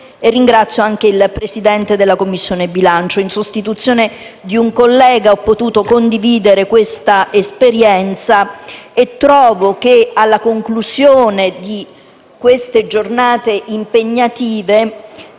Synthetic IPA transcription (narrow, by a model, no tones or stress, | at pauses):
erːiŋɡɾat̪sːjoaŋk̟eilpɾesid̪ɛnt̪ed̪elːakomːisːjoːnebilant͡ʃoinsost̪it̪ut̪sːjoːned̪iuŋkolːɛːɡaɔpːot̪uːt̪okond̪iviːd̪eɾekwest̪aʔespeɾjɛnt̪saet̪ːɾɔːvok̟ealːakoŋklusjoːned̪i | kwest̪ed͡ʒornaːt̪eʔimpeɲːat̪iːve